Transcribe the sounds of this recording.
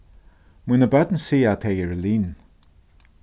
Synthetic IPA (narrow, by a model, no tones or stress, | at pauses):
mwinəbœdn̩siːat̪ʰeəɹəlĩːn